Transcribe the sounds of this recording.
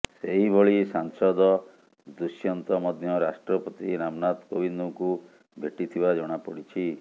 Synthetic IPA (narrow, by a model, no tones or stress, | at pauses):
seɦiboɭisaŋsɔd̪ɔ | d̪usjɔnt̪ɔmɔd̪ʱjɔɾasʈɾɔpɔt̪iɾamnat̪kobind̪ɔŋku | bʱeʈit̪ʰibad͡ʒɔɽ̃apɔɽit͡ʃʰi